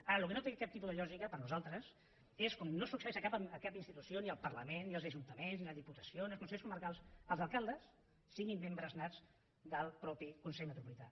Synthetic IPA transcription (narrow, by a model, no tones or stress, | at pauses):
aɾəlukənot̪ekap̚t̪ip̬uðəʎɔʒikəpəɾnuzalˠt̪ɾəs | eskɔmnosuksəɛʃəkapəəkapinst̪it̪usjoniəlˠpərləmennːiəlˠzəʒunt̪əmenzniləðiput̪ə̥sioniəlˠkunsɛʎskuməɾkalˠsəlˠzəlˠkalˠd̪əsː | iɣimːembɾəznad͡z | d̪əlˠpɾɔpikunsɛʎmət̪ɾupulit̪a̰